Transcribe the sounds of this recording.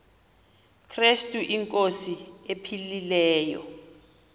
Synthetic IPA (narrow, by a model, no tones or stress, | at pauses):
kʰrestʼuʔiŋkʼosiepʰililɛːjɔ̰